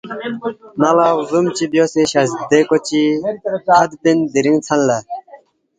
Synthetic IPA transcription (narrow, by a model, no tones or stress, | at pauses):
nalawzumt͡ɕibjoseɕɐzd̪ekot͡ɕi | ɐd̪pind̪iɾiŋt͡sʰɐnla